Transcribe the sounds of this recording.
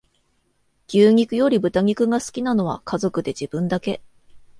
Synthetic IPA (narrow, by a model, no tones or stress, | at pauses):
ɡ̥ʲɨːɲ̟ʲikɯ̟jo̞ɾʲibɯ̟t̪aŋ̟ʲikɯ̟ɡasɨ̥kʲinano̞β̞a̰kʰazo̞kɯ̟d̪e̞ʑib̥ɯ̟̃nd̪ake̞